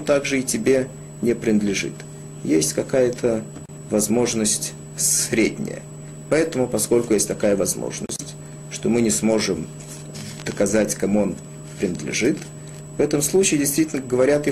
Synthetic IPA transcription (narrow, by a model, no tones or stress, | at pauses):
t̪aɡʐɨɪtʲɪbʲe̞ | nʲɪpɾʲɪnəd̪lʲɪʐɨ̰t̪ | jesʲtʲkɐkajət̪ʰə | vɐzmo̞ʐnəsʲtʲ | sɾʲedʲnʲɪ̰jə̰ | pɐɛt̪əmʊpɐsko̞lʲkʊjesʲtʲt̪ɐkajəvɐzmo̰ʐnə̰sʲtʲ | ʂt̪o̞mɨnʲɪsmo̞ʐɨm | d̪̥əkɐzatʲkɐmuon | pɾʲɪnəd̪lʲɪ̰ʐɨt̪ | vɛt̪əmslˠut͡ɕɪɪdʲɪjst̪vʲitʲɪlʲnəɡəvɐɾʲat̪ɪ